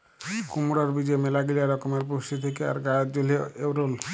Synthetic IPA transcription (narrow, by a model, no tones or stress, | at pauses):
kumuɾaɾbid͡ʑemelaɡiliaɾɔkomeɾpoʃit̪ʰekea̰ɾɡad͡ʑoliewɾol